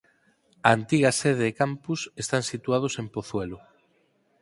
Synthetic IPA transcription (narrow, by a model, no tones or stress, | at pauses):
aant̪iɣɐseð̞eːkampusest̪ansit̪wað̞ʊsempoθwelʊ